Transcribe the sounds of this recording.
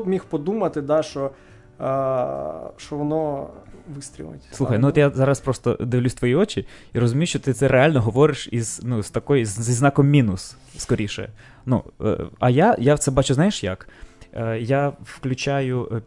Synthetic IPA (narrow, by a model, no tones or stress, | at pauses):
pmʲixpɔd̪umɐt̪ɪd̪ɑʃɔ | ʃɔʋɔnɔʋɪst̪ʲɾʲḭlˠɐ̰tʲsˠuxɐjnuʋɔt̪jazɑɾɐspɾɔst̪ɔ̰d̪ɪʋlʲusʲt̪ʋɔjiɔt͡ʃʲiiɾɔzʊmʲijʊʃt͡ʃɔt̪ɪt̪sɛɾʔealʲnɔɦɔʋɔɾɪʃiz̥nust̪ɐkɔjzzʲiznɑkɔmːʲinʊs | skɔɾʲiʃɛ̰ | nṵɐjajawt̪sɛbɑt͡ʃʊznɑjeʃjɐ̰k | jafklʲʊt͡ʃajʊ